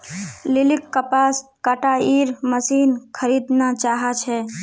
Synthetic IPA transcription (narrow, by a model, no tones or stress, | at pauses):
lɪlɪkːəpaːskaʈaiːɾməsiːnkʰəɾid̪nat͡ʃaːɦat͡ʃʰɛ